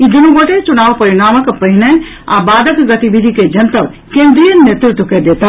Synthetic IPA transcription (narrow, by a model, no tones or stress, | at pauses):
id̪unuɡoʈet͡ʃunaʋpəɾiɽ̃aməkpəɦinɛ | a̰bad̪ʱəkɡət̪ibid̪ʱiked͡ʒənt̪əb | kẽnd̪ɾijənet̪ɾut̪ːəkɛd̪et̪ə